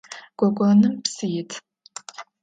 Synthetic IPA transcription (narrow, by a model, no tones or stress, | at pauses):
ɡ̥ʷɔɡʷʼɔnɨmpsɨjɪtʰ